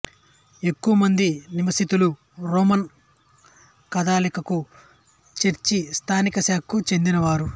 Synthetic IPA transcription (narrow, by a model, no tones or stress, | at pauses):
e̞kːuʋɐmɐnd̪iniʋɐsit̪ulu | ɾoːmɐn | kɐd̪aːlikɐku | t͡ʃeɾt͡ʃist̪ʰaːnikɐsaːkʰːut͡ʃe̞nd̪inɐʋaːɾu